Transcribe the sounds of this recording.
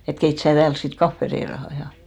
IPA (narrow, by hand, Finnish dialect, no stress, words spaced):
et keit sæː tæːls sit kɑfːe reirɑhɑ jɑ